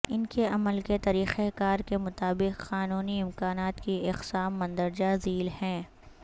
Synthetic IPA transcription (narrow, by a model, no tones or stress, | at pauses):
ɪnkeɐməlket̪ɐɾiːxekaːɾkemʊt̪aːbɪqqaːnuːniɪ̃mkaːnaːt̪kiɪqsaːmːɐ̃nd̪əɾd͡ʒaziːlhɛ̃ː